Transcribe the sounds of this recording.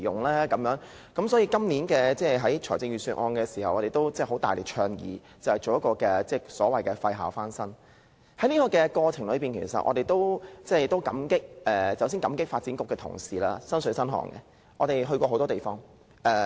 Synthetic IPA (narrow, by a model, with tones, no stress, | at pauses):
jʊ˨˩ŋlaː˥kɐ˨˧mjœː˨˥ŋ | kɐ˨˥msɔː˨˥jiː˧kɐ˥mni˨˥nkɛː˧t͡sɛː˥˩ɦɐ˨˥jt͡ʃʰɔː˨˩t͡sɪ˧ŋjɥyː˨˩syː˧nʔɔː˧nkɛː˧siː˨˩hɐ̰˨wʔɔː˨˧ɾe˨jt̪o˥wt͡sɛː˥˩ɦo˨˥t̪aː˨jle˨˩t͡ʃʰœː˧ŋjḭː˨˧ | t͡sɐ˨˩whɐ˨˩t͡so˨wjɐ˥tkɔː˧kɛː˧t͡sɛː˧˩sɔː˨˥wɐ˨jkɛ˧fɐ˧jɦaː˨˩wfaː˥nsɐ˥n | hɐ˨˥jniː˥kɔː˧kɛː˧kɔː˧t͡sʰɪ˨˩ŋlɵ˨˧ɥpiː˨˩nkʰe˨˩jsɐ̰˨t̚ʔɔ̰˧ɾe˨jt̪o˥wt͡sɛː˥˩t̪o˥wkɐ˨˥mkɪ˥k̚ʔɛː˨˩t͡sɐ˨˩ws̬iː˥ŋkɐ̰˨˥mkɪ˥k̚faː˧t̚t͡siː˨˥nkʊ˨kːɛː˧t̪ʰʊ̰˨˩ŋsiː˨˩la̰ː˥sɐ˥nsɵ˨˥sɐ˥nɦɔ̰ː˨˩ŋkɛ̰˧ | ʔɔː˨˧t̪e˨˩jɦɵ˧ɥkʷɔː˧o˨˥wt̪ɔː˥e˨˩jfɔː˥ŋ | ʔɛː˧